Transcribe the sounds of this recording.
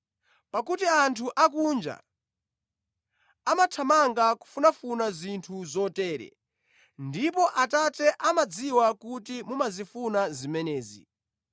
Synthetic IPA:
pakutiantʰuʔak̬und͡ʒa̰ | amatʰamaŋɡaku̥funafunazintʰuzɔtɛːɾɛ̰ | ndipɔʔatatɛʔamad͡ziwakutimumazifunazimɛnɛːzḭ

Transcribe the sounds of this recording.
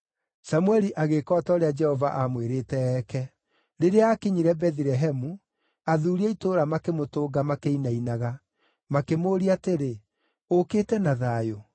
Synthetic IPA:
samuwɛɾiʔaɣekɔːtaoɾead͡ʒɛhɔvaʔamweɾeːtɛɛːkɛ | ɾeɾeaakeɲiɾɛbɛðiɾɛɦɛmu | aðuːɾiaitoːɾamakemotoːɡamakeinainaɣa | makemoːɾiateɾe | oketɛnaðaːjo

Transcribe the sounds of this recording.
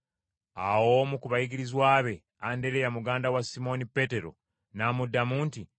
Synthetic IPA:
awomukuβajiɡiɾizwaːβe̞ | ande̞ɾejamuɡaːndawasimo̞nipe̞te̞ɾo̞̰ | namudːamuːnti

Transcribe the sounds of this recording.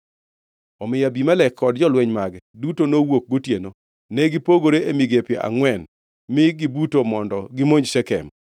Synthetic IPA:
ɔmɪjabimalɛkʰːɔdd͡ʒɔlwɛɲmaɡɛdutonowok̚ɡotjeno | nɛɡɪpoɡoɾeemiɡepjeʔa̰ŋwɛn | mɪɡɪbutomɔndɔɡɪmoɲd͡ʒsɛkɛ̰m

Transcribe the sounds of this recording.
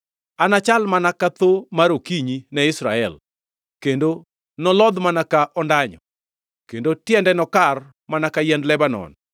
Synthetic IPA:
anat͡ʃalmanakat̪omaɾokiɲinɛɪsɾa̰ɛl | kendo | nɔlɔd̪manakaʔɔndaɲɔ̰ | kendotjɛndɛnɔkar | manakajɛndlɛbanɔ̰n

